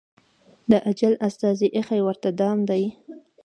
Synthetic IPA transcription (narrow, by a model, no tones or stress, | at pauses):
d̪əʔad͡ʒalast̪ɑziʔexajwəɾt̪ad̪ɑmd̪aj